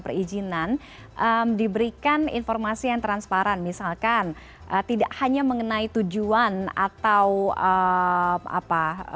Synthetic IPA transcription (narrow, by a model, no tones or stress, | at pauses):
pərid͡ʒinan | ʔəmdibəɾikanḭnformasijaŋt̪ɾanspaɾanmisalkan | ʔət̪idaʔhaɲaməŋənait̪ud͡ʒuana̰t̪awə | ʔa̰pa